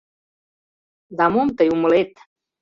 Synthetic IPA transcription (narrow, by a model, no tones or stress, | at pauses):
d̪amomt̪əjuməlet̪